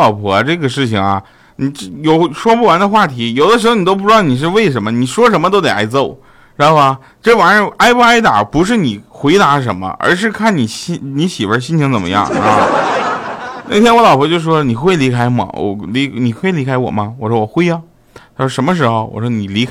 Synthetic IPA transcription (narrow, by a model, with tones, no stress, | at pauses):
ɑ˨˩ʊpʰwɔ˧˥˧ʈ͡ʂɤ˥˩ɡə˩ʂɻ̩˥˩t͡ɕʰi˩ŋɐ̰˩ | ni˨˩˥jo˨˩ʊʂwɔ˥pu˥˩wa˧˥nd̪ə˧xwa˥˩t̪ʰi˧˥jo˨˩ʊd̪ə˦ʂɻ̩˧˥xo˧n˨˩o˥ʊp̬u˥˧ʈ͡ʂɻɑ˥˩ʊni˨˩ʂ̬ɻ̩˥˧we˥˩ɪʂ̬ə˧˥nmə˧ni˨˩ʂwɔ˥ʂ̬ə˧˥nmə˧t̪o˥ʊt̪e˨˩ʔa˥ɪt͡so˥˩ʊ | ɻxo˥˩ɐ˧˩ | ʈ͡ʂɤ˥˩wa˨˥nə˧˥a˥ɪpu˥˧a˥ɪt̪a̰˨˩pu˧˥ʂ̬ɻ̩˥˩ni˨˩xwe˧˥ɪt̪a˧˥ʂ̬ə˧˥nmə̰˧ə̰˞˧˥ʂ̬ɻ̩˥˧kʰa˥˩nni˨˩ɕni˧˥ɕi˨˩wə̰˧˥ɕ̬i˥nt͡ɕʰi˧˥ŋt͡sə˨˩mə̰˦jɑ̰˥˩ŋ˧˥x | n˥˩ɪt̪ʰjɛ˥nwɔ˧˥lɑ˨˩ʊpʰwɔ˧˥t͡ɕo˥˧ʊʂ̩˧ʂwɔ˥ni˨˩xwe˥˩ɪli˧˥kʰa˥ɪmɔ̰˨˩wɔ̰˨˧˩li˧˥ni˨˩xwe˥˩ɪli˧˥kʰa˥ɪwɔ̰˨˩mɐ˦wɔ˨˩ʂwɔ˥wɔ˨˩xwe˥ɪɐ˧˥ | ʂə˧˥nmə˧ʂ̬ɻ̩˧˥xo˧ʊwɔ̰˨˩ʂwɔ˥ni˨˩li˧˥kʰ